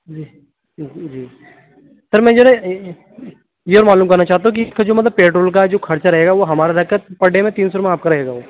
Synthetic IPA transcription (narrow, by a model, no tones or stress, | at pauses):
d͡ʒiː | d͡ʒd͡ʒiː | sɐɾmɛ̃ːd͡ʒoːnɛ̃ | jeɔːɾmaːluːmkɐɾnat͡ʃaːɦt̪̬aũk̬iskad͡ʒoːmɐt̪ləbpeːʈɾoːlkad͡ʒoːkʰɐɾt͡ʃaɾɐɦeːɡaʋoɦɐmaːɾaɾɐkəpɐɖʱemẽt̪iːnsoɾmẽaːp̚kaɾɐɦeːɡaʋoː